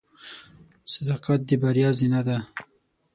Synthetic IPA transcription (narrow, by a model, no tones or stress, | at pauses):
sad̪ɑqat̪̚d̪ibaɾjɑzinad̪a